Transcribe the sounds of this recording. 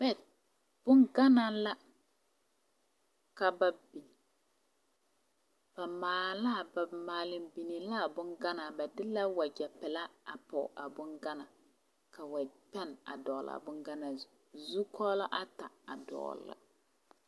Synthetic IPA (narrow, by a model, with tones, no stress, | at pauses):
bɛ˦˨t̚ | b̥ʊ˦nɡa˦na˦la˦ | ka˨ba˨bi˨ | b̥a˨maː˨la˦˨ba˨maː˨lɪ˨mbi˨ni˨la˦˨bʊ˦nɡa˦na˨ba˨dɪ˦la˦wa˨d͡ʒɛ˨pɛ˨la˦a˨pɔ̰˨ʔa˨bʊ˦nɡa˦na˨ | ka˨wa˨pɛ˦na̰˨dɔ˨la̰˨bʊ˦ŋɡa˦na˨ | zu˦kʰɔ˦la˦ʔa˦ta˨a˨dɔ̰ː˨˦la̰˦